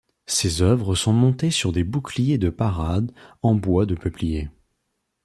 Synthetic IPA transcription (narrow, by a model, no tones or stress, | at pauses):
sezœvʁəsɔ̃mɔ̃t̪esyʁd̪ebuklijed̪əpaʁad̪ɑ̃bwad̪əpəplije